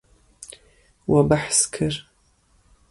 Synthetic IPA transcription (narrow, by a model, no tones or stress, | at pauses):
wɐbaħskʰɨr